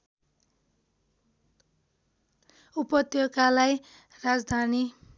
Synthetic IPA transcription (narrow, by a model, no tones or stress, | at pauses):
upʌt̪joɡalaj | rad͡zd̪ʱani